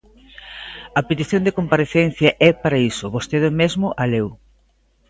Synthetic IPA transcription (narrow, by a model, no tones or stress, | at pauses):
ɐpet̪iθjõnd̪ekompaɾeθɛn̟θjɐʔɛpaɾɐisʊβost̪eðɪmezmʊʔalew